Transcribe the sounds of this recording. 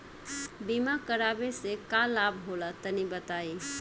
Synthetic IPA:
bimakəɾabesekalabɦolət̪ənibət̪ai

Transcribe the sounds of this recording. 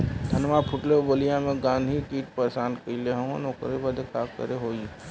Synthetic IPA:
d̪ʱənmapʰʊʈlebəlijãmẽɡãːnd̪ʱikiːʈ̚pəɾsaːnkəileɦə̃o̰noːkɾebəd̪ʱekaːkə̰ɾeɦoːi

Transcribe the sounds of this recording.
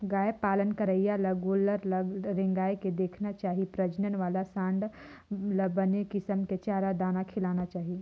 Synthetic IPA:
ɡaːjepaːlənkəɾəijalɐɡoːləɾlɾẽŋɡaːeked̪eːkʰnat͡ʃaːɦipɾɐd͡ʒnənʋaːlasãːɳɖ | ləbənekɪsəmket͡ʃaːɾad̪aːnakʰɪlaːnat͡ʃaːɦi

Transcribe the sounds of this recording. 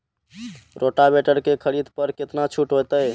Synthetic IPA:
ɾoʈabeʈəɾkekʰəɽid̪pəɾket̪nat͡ʃʰuʈɦot̪əj

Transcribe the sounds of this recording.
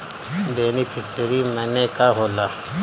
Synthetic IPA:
beːnipʰɪsɾimɐnekaɦoːlaː

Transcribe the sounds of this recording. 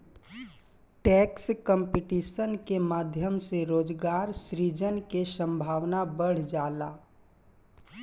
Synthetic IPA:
ʈɛːkskəmpiʈisənkemaːd̪ʱjəmseɾoːd͡ʒɡaːɾsɾid͡ʒənkesə̃mbʱaːʋnabəɽ̤d͡ʒaːlaː

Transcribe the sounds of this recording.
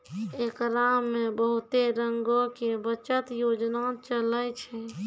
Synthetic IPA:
ekɾamːebəɦut̪eɾəŋɡokebət͡ʃət̪jod͡ʒnat͡ʃələt͡ʃʰɛ

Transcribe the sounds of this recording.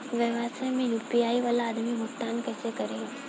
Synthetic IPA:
ʋeːʋaːsə̃mẽjuːpijaːiʋaːlaːd̪mibʱʊkt̪aːnkɛːsekɐɾẽ

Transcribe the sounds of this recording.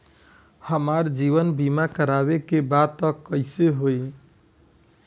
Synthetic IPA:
həmaɾd͡ʒiβənbimakəɾabekebad̪̚t̪əkːəɪseɦoj

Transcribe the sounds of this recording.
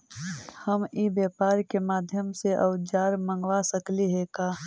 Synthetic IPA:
həmibjaːpaːɾkemaːd̪ʱjəmseʔɐʊd͡ʒaːɾmə̃ŋɡʋasəkliɦekaː

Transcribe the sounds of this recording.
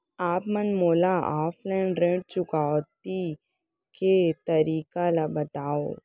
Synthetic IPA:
aːpmɐnmoːlaaːfʰlaːɪɳɾẽːʈ̚t͡ʃʊkaːʋt̪i | ket̪ɐɾiːkalabɐt̪aːoː

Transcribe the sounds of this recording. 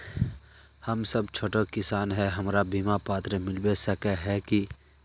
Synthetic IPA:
həmsəbt͡ʃʰoːʈəkɪsaːnɦɛɦɐmɾabiːmapaːt̪ɾəmɪlbesəkeɦɛki

